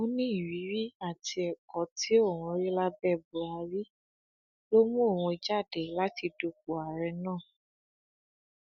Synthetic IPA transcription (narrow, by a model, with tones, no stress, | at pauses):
o˦nĩ˦i˦˨ɾi˨˦ɾi˦a˦˨ti˧ɛ˨kɔ˨˦ti˨˦o˦˨wũ˧ɾi˦la˦bɛ˦˨bu˨a˧ɾi˦ | lo˦mũ˦o˦˨wũ˧i˧d͡ʒa˦˨dɛ˨la˦ti˧do˧k̚u˨a˨ɾɛ˧nãː˦˨